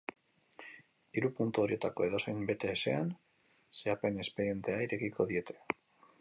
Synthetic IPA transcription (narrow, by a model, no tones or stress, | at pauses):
iɾupunt̪uo̞ɾie̞t̪ako̞e̞ð̞o̞sejmbe̞t̪e̞ːse̞̰an | se̞ape̞ne̞spe̞ɾie̞nt̪e̞aiɾe̞kiko̞ðie̞t̪ʰe̞̥